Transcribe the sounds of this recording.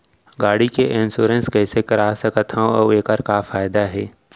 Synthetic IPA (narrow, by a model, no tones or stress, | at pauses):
ɡaːɽikeʔɪ̃nsoːɾə̃nskɛːsekɐɾaːsɐkət̪ʰɦãɔːeːkəɾkafaːɪd̪aɦɛː